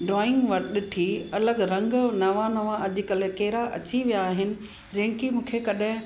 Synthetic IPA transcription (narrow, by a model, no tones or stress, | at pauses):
ɖɾɔːɪ̃ŋɡʋɐɾɗɪ̆ʈʰiːɐləɡɾɐ̃ŋɡnɐʋãnɐʋãɐʄʊkɐlɪkeɦɪɾaʔɐ̰t͡ɕiʋijaːɦɪnɪ̆ | d͡ʑɐ̃ɦɪ̃kimũːkʰekɐɗɦɪ̃